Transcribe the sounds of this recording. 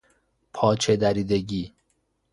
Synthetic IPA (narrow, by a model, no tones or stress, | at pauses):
pʰɒːt͡ʃʰed̪æɾiːd̪eɟiː